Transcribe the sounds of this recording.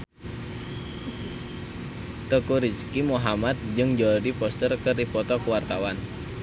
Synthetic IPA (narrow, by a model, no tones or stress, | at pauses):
t̪əkuɾiskimuɦamat̪̚d͡ʒɨŋd͡ʒɔɾipɔst̪ərkərdipɔt̪ɔkəwart̪awan